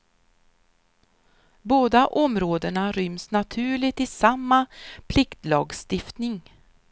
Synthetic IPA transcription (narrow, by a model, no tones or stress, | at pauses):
boːd̪aʔɔmɾoːd̪əɳaɾʏmsnat̪ʰʉ̟ːɭɪt̪ɪsamːapʰlɪkt̪lɑːɡst̪ɪft̪nɪŋ